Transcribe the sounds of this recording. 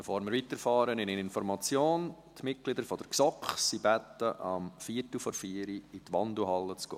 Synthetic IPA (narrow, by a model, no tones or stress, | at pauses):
b̥ɛfoːɾmɪɾʋit̪əɾfɑːɾənɪnɪnɪnfɔɾmɑt͡sjoːn | t̪mɪt̚ɡ̥lɪd̪əɾfɔd̥əɾksɔkχsibæt̪əʔɑmfiːtl̩fɔɾfiːəɾiɪt̪ʋɑnd̪uɦɑlːət͡sɡ̥o̰ː